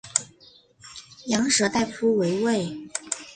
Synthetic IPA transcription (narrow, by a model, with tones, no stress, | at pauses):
jɑ˧˥ŋʂɤ˧˥t̪a˥˩˧ɪfʰu˥we˧˥ɪwe˥˩ɪ